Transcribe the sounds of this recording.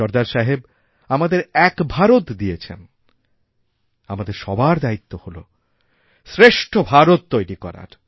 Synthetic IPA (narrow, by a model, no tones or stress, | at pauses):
ɔɾd̪aɾʃaɦeb | amad̪eɾɛkbʱaɾot̪d̪ijet͡ɕʰḛn | amad̪eɾʃɔbaɾd̪ait̪ːoholo̰ | sɾeʃʈʰobʱaɾot̪ːojɾikɔ̰ɾa̰ɾ